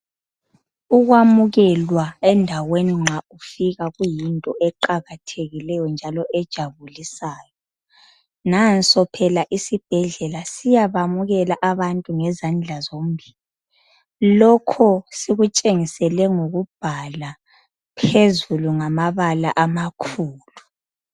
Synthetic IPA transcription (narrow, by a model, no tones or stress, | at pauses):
uɣwamuɣɛlwaɛndʱaweniŋ͡ǁʱaufiɣaɣujintʼɔʔɛǃaɣatʰeɣilɛjɔnd͡ʒʱalɔʔɛd̥ʒ̥ʱaβulisaːjɔ | nansʼɔpʰɛlaʔisib̥ʱɛɮɛlasijaβamuɣɛlaʔaβantʼuŋɛzand͡ɮʱazom̩bʱiːli | lɔkʰɔsiɣut͡ʃʼeŋisɛlɛŋoɣub̥ʱala | pʰezuluŋamaβalaʔamakʰuːlu